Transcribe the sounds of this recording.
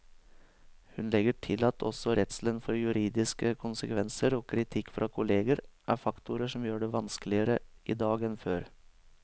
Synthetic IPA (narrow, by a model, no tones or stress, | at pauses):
hʉnlɛɡəʈʰɪlɑt̪ʰɔ̰sɔɾɛt̪slənfɔɾjʉɾiːd̪ɪskəkʰʊnsəkʰʋɛnsəɾoːkʰɾɪt̪ʰɪkːfɾʔɑːkʰʊleːɡəɾʔæ̰ɾfɑkt̪ʰʊɾəʂɔmjøːɖɛʋɑnskəlɪəɾəʔḭːd̪ɑːɡɛnføːɾ